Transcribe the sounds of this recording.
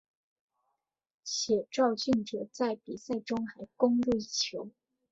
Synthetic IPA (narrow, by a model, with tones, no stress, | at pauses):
ɕjɛ˨˩ʈ͡ʂɑ˥˧ʊɕy˥˩nʈ͡ʂɤ˨˩t͡sa˥˩ɪpi˨˩sa˥˩ɪʈ͡ʂʊ˥ŋxa˧˥ɪkʊ˥ŋɻu˥˧i˥˩t͡ɕʰjo˧˥ʊ